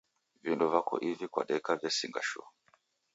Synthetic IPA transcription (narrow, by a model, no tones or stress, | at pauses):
vindɔvakɔ̰ʔivikwa̰ɗɛkavjasiŋɡa̰ʃɔ̰